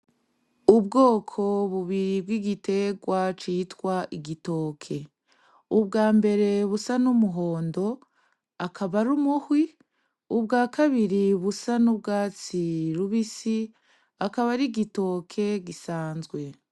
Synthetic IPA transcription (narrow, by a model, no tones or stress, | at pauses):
ubɡo̞ːkʰo̞βuβiɾibɡwiɡite̞ɡwat͡ʃiːtwaʔiɡito̞ːkʰe̞ | ubɡaːmbe̞ɾe̞βusanumuɦo̞ːndo̞ | akʰaβaɾumuhwi | ubɡaːkaβiɾiβusanub̚ɡaːt͡siɾuβisi | akaβaɾiɡito̞ːkʰe̞ɡisaːnzɡwe̞